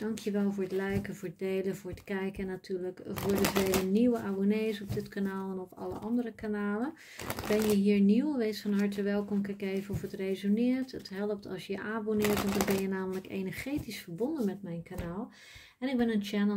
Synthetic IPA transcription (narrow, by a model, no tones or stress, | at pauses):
d̥ɑŋkʰjəʋɛlˠvʊːɹətlɛjkəvʊːɹət̚dejləvʊːɹətkɛjkəɛnːatyːɹləkvʊːɹdəvejləniwəʔaːbonejzɔbdɪtkanaːlˠɛnɔfɑ̰lə̰ʔɑ̰ndərəkanaːlə | bɛnjəɦiːɹniwʋejtsfɑnɦɑɹtəʋɛlˠkɔmkɛkejvəɔfətrejzonɪːɹtətɦɛlˠəp̚tɑ̰lˠsjəʔaːbonɪːɹtdɔnbɛnjənaːmələkḛnəɹχejtisfəɹbɔndənmɛtmɛjnkanaːlˠ | ɛnɪɡ̚bɛnənt͡ʃɛnə